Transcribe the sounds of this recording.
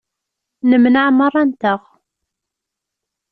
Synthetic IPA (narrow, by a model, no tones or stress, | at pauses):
nəmnəʕmərˤːɑnt̪əʁ